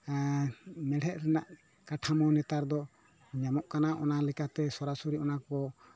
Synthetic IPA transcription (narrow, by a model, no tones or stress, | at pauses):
mɛɽ̤ɛʔ̪̚ɾɛnaʔ | kaʈʰamɔnɛt̪aɾd̪ɔ | ɲamɔʔkanaʔɔnalɛkat̪ɛsɔɾasuɾiʔɔnakɔ